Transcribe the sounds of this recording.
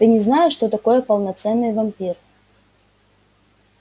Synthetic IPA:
t̪ɨnʲɪznajɪʂt̪ot̪ɐko̞jəpəlˠnɐt̪sɛnːɨjvɐmʲpʲir

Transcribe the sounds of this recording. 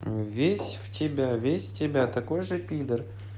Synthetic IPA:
vʲesʲftʲɪbʲavʲesʲftʲɪbʲat̪ɐko̞jʐɨpʲid̪ər

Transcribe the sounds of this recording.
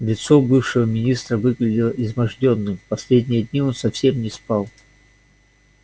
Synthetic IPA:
lʲɪt̪so̞bɨfʂɨvəmʲɪnʲist̪ɾəvɨɡlʲɪdʲɪlˠəɪzmɐʐdʲonːɨmpɐsʲlʲedʲnʲɪjədʲnʲio̞nsɐfsʲe̞mnʲɪspɑlˠ

